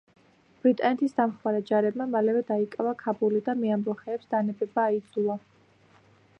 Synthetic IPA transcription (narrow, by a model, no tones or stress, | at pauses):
b̥ɾit̪ʼanɛt̪ʰisd̪amχmaɾad͡ʒaɾɛbmamalɛvɛd̪aikʼavakʰabulid̪amɛamɾɔχɛːpsd̪anɛbɛbaːid̪zua